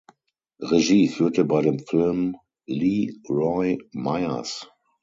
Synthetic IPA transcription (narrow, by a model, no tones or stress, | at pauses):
ʁeʒiːfyːɐtəbaɪɾeːmfɪlm | liːʁɔɪmaɪɐ̰s